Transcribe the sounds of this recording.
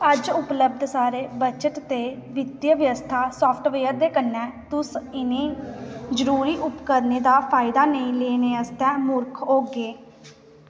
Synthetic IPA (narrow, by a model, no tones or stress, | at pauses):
əd͡ʒʊpləb̚d̪saːɾeːbət͡ʃəʈ̪t̪eːʋɪd̪jəʋəʋəst̪ʰaːsɔːpʰʈʋeːəɾd̪eːkənːɛ̃ːt̪ʊsɪnẽːzəɾuːɾiːʔʊpkəɾneːd̪aːpʰaːɪd̪aːnəĩːleːneːəst̪ɛ̃ːmʊɾkʰɦoːɡeː